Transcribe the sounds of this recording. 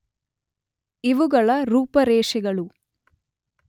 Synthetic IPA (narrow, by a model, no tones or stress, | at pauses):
iʋuɡɐɭɐɾuːpɐɾɛːʂɛɡɐɭu